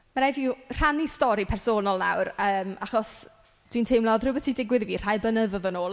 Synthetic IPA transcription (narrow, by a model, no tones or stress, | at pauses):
maɾajviːr̥anistɔɾipʰɛrsoːnɔlˠna̰wɾəːmaχɔs | d̥wintʰejmlˠɔðrʊbɛtʰidɪɡwɪðviːr̥ajblənəðɔðənoːlˠ